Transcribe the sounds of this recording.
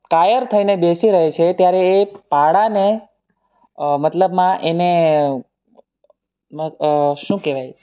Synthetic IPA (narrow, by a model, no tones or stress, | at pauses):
kajəɾt̪ʰəinebesiɾəɦet͡ʃʰet̪jaɾeːpaɽane | mət̪ləbmãʔene | məʃũkeʋaj